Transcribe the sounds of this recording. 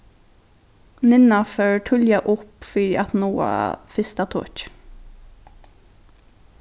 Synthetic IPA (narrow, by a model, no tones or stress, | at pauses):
nɪnaføːɹʈʰʏljaʔʊpfiːɾʔat̪nuːa̰fɪst̪at̪ʰo̰ːc